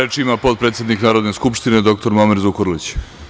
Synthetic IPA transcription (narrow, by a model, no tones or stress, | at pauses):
et͡ʃiimapo̞t̪̚pɾet̪sjed̪niknaːɾo̞d̪ne̞skupʃt̪ined̪o̞k̚t̪o̞ɾmomeɾzukoɾlit͡ɕ